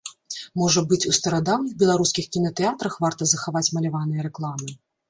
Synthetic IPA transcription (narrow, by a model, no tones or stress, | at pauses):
mɔʐɐbɨt͡sʲust̪ɐɾad̪awnɨxbʲɛlˠaɾuskʲixkʲinɐt̪ɛat̪ɾɐxvart̪ɐzɐxavat͡sʲmɐlʲavanɨjɐɾɛklˠamɨ